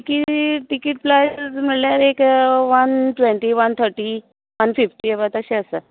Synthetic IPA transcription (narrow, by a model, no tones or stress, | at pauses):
ikiʈikiʈ̚plajm̤əɭljaɾekʋənʈʋeɳʈiʋənt̪ʰəɾʈi | ʋənfifʈiːəbat̪əɕẽəsə